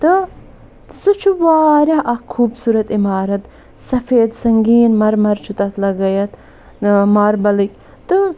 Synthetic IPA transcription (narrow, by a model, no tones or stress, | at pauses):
t̪ɨ | sut͡ʃʰuʋaːɾjɐʔɐkʰːuːbsuːɾɐt̪imaːɾɐt̪ | sɐfeːd̪sɐŋɡiːnmɐɾmɐɾt͡ʃʰut̪ɐt̪ʰlɐɡɐjɐt̪ | mɐɾbɐlikʲ | t̪ːɨ